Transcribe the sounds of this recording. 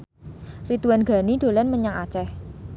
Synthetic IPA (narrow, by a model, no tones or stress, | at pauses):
rit̪uwanɡ̥a̤niɖ̪̥o̤lɛnməɲaŋat͡ʃɛh